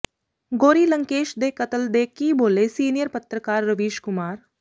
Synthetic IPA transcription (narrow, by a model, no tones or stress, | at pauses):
ɡoːɾilə̃ŋkeːʃd̪eːkɐt̪əld̪eːkiboːlesiːnijəɾpɐt̪ɾəkaːɾːɐʋiːʃkʊmaːɾ